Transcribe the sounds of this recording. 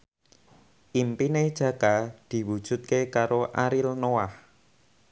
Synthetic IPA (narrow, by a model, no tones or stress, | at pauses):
ʔimpined̥ʒ̥ä̤kad̪̥i̤wud̥ʒ̥ṳt̪̚kekaɾoʔaɾilnoah